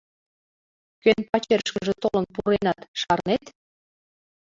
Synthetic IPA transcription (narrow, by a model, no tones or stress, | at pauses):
kønpɑt͡ɕerʃkəʒet̪olənpuɾenɑt̪ʃɑrnet̪